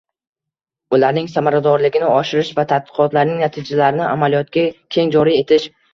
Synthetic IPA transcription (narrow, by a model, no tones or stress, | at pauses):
ʊlaɾnɪŋsamaɾad̪ɒɾlɪɡʲɪnɪɒʃɪɾɪʃvat̪ʰat̪̚bɨ̥qʰɒt̪laɾnɪŋnat̪ʰid͡ʒalaɾɪnɪʔamalijɒt̪̚kʲakʲʰe̞ŋd͡ʒɒɾie̞t̪ʰɪʃ